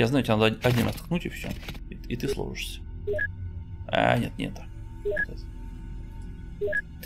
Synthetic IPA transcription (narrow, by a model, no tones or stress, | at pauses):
jaznajʊtʲjanad̪ʲɐdʲnʲimɾa̰st̪knutʲɪfsʲo̰it̪ɨslˠo̰ʐɨʂsʲə̥ | a̰nʲḛt̪nʲḛt̪a | ɛt̪ɛt̪